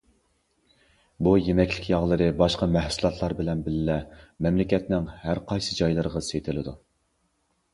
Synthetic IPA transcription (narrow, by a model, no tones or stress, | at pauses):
bujemɛkʲlɪkʲjɑʁlˠɨɾɨbɑʃqɑmæhsulˠɑt̪ʰlˠɑɾbɪlɛnbɪlɪlɛmɛmlɪkʲɛt̪nɪŋhæɾqʰɑjsɨd͡ʒɑjlˠɨɾʁɑset̪ʰɪlɪd̪u